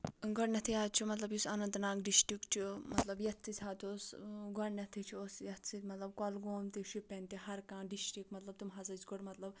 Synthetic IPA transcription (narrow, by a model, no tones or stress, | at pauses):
ɡɔɽnɐt̪ʰiaːt͡ʃʰumɐt̪lɐbjusɐnɐ̃nt̪nãːŋɡɖisʈikt͡ʃʰumɐt̪lɐbjɐt̪t͡sːisʲɦat̪osɡɔɽnɐt̪ʰit͡ʃʰiosjɐt̪ʰsit̪mɐt̪lɐb̚kɔlɡoːmt̪iʃipːenʲt̪iɦɐɾkãːɖisʈikmɐt̪lɐb̚t̪umɦɐzɐt͡ʃɡɔɽmɐt̪lɐb